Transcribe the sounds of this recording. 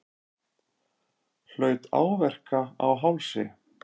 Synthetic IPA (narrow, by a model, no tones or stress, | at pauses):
l̥œːɥt̪a̰ːwvɛr̥kaa̰wɦawlsɪ̰